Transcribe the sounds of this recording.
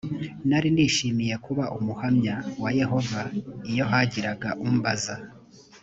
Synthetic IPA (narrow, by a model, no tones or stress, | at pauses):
naɾindiːʃimije̞kuβaʔumuhamɲawaje̞ɦo̞vaijo̞ɦaɟiɾaɡaʔumbaza